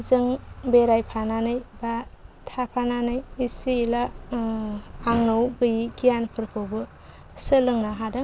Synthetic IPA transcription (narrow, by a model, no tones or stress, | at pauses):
zɯŋbeɾajpʰananɯjbatʰapʰananɯjisiːla | ŋnowɡɯjiɡijanpʰɯɾkʰobɯ | sɯlɯŋnaɦadɯ